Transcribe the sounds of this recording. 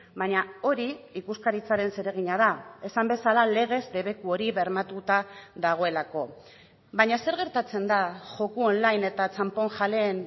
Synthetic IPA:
bajɲao̞ɾiikuskaɾit͡saɾe̞nse̞ɾe̞ɣiɲaðae̞sambe̞salale̞ɣe̞zd̪e̞βe̞kuo̞ɾiβe̞ɾmat̪ut̪aðaɣ̞o̞e̞lako̞ | baɲase̞ɾɣ̞e̞ɾt̪at͡se̞nd̪aʝo̞kuonlajne̞t̪at͡sampo̞ŋʝale̞ːn

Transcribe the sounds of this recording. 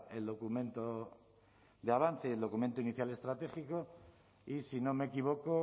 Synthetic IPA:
e̞ld̪o̞kumẽ̞nt̪o | d̪eaβ̞anθeeld̪o̞kumẽnt̪oiniθjale̞st̪ɾat̪e̞xiko | isino̞me̞kiβ̞o̞ko

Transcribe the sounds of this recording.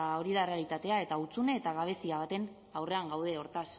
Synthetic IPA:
o̞ɾiðare̞alit̪at̪e̞ae̞t̪aut͡sune̞ːt̪aɣaβ̞e̞siaβ̞at̪e̞n | awre̞aŋɡawð̞e̞o̞ɾt̪as

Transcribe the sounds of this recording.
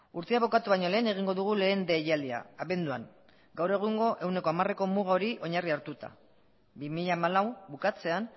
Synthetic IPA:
uɾt̪eaβo̞kat̪uβajɲo̞le̞ːne̞ɣ̞iŋɡo̞ðuɣ̞ule̞ːnd̪e̞jald̪ia̰ːβe̞nd̪ua̰ŋ | ɡawre̞ɣ̞uŋɡo̞ʔe̞wne̞ko̞amare̞ko̞muɣ̞ao̞ɾiʔo̞ɲariaɾt̪ut̪a̰ | bimiʎaːmalawbukat͡se̞an

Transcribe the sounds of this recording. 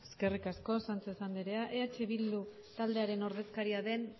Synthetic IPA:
eske̞rikasko̞sant͡sesand̪iɾe̞aʔe̞at͡ʃeβild̪u | t̪ald̪e̞aɾe̞no̞ɾðe̞skaɾiaðe̞n

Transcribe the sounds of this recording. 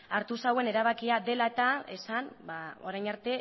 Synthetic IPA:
aɾt̪usawe̞ne̞ɾaβakiaðe̞laet̪ae̞sanbao̞ɾajnaɾt̪e̞

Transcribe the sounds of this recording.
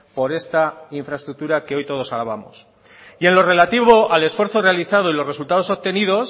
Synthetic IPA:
po̞ɾe̞st̪aiɱfɾaest̪ɾuk̚t̪uɾake̞o̞jt̪o̞ð̞osalaβ̞amo̰s | ie̞nlo̞re̞lat̪iβo̞ale̞sfwe̞ɾθo̞re̞aliθaðo̞ilo̞sre̞sult̪aðoso̞p̚t̪e̞nið̞o̞s

